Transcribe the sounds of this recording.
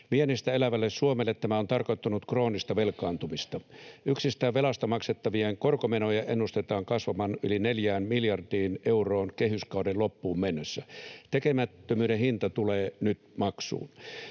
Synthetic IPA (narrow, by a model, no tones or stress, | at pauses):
mienist̪æelæʋælːessuomelːet̪t̪æmæont̪ɑrkot̪ːunut̪kroːnist̪ɑʋelkɑːnt̪umist̪ɑyksist̪æːʋʋelɑst̪ɑmɑkset̪ːɑʋieŋkorkomenojɑʔenːust̪et̪ɑːŋkɑsʋɑmɑnylineljæːnmiljɑrdiːneuroːnkehyskɑudellopːuːmmenːøsːæt̪ekemæt̪ːømyːɾehint̪ɑt̪uleːnyt̪mɑksṵːn